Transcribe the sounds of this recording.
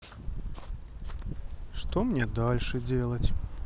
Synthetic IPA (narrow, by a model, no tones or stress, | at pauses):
ʂt̪ɔmnʲɛd̪alʲʂɨd͡zʲelˠɐt͡sʲ